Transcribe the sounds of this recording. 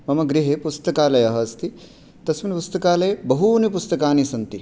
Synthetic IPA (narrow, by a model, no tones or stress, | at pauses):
mɐmɐɡɾiɦepust̪ɐkaːlɐjɐɦɐst̪i | t̪ɐsminpust̪ɐkaːlɐjbɐɦunipust̪ɐkaːnisɐnt̪i